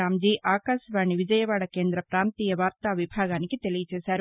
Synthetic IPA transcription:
aːmd͡ʒiːʔaːkaːʃɐʋaːɳiʋid͡ʒɐjɐʋaːɽɐkeːnd̪ɾɐpɾaːnt̪iːjɐʋaːɾt̪aːʋibʱaːɡaːnikit̪e̞lijɐt͡ʃɛːʃaːɾu

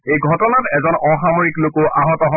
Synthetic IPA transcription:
ejɡʱɔtɔnatɛzɔnɔxamɔɹiklokoʔaɦɔtɔɦɔ

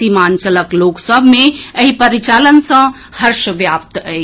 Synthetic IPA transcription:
iːmaːnt͡ʃələkloːksəbʱmẽəɦipəɾit͡ʃaːlənsə̃ | həɾʃəʋjaːp̚t̪ɛi

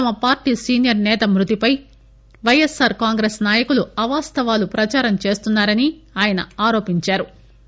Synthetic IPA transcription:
ɐmɐpaːɾʈiːsiːnjɐɾnɛːt̪ɐmɾut̪ipɐj | ʋɐjesːaːɾkaːŋɡɾeːsnaːjɐkuluɐʋaːst̪ɐʋaːlupɾɐt͡ʃaːɾɐmt͡ʃe̞ːst̪unːaːɾɐniaːjɐnɐ̰aːɾo̞ːpiɲt͡ʃaːɾu

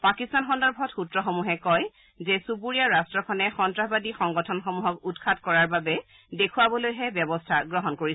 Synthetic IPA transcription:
pakistanxɔndɔɹbʱɔtxutɹɔxomuɦɛkɔj | zɛsupuɹijaɹastɹɔkʰɔnɛxɔntɹaɦbadixɔŋɡɔtʰɔnxɔmuɦɔkutkʰatkɔɹaɹbabɛ | dekʰuwabɔlojɦɛbjɔbɔstʰaɡɹɔɦɔnkoɹis

